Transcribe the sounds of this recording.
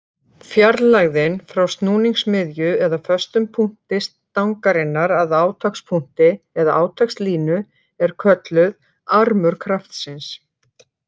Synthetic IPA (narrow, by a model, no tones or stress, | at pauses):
fjaɾlaɣðɪnfɾawst̪nuːniŋksmɪðjʏɛðafœst̪ʏmpʰuŋ̥t̪ɪs | t̪awŋkaɾɪnːaɾaðaːwt̪ʰakspʰuŋ̥t̪ɪɛðaʔaːwt̪ʰakst̪liːnʏ | ɛɾ̥kʰvœt̪lʏð | aɾmʏɾ̥kʰɾaft̪sɪns